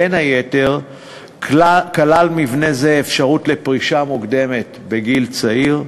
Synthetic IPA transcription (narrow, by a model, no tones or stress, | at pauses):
enhajete̞ʁ | kalalmivne̞zeːfʃaʁutle̞pʁiʃamukd̪e̞me̞t | be̞ɡilt͡saiʁ